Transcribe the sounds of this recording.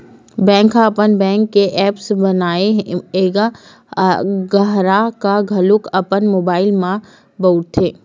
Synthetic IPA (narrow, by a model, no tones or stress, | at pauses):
bɛ̃ːŋkɦaɐpənbɛ̃ːŋkːeʔɛːpsbənaːeeɡa | ɡɐɦɾakaɡʱɐlʊkəpənmoːbaːɪlmã | bəʊt̪ʰːeː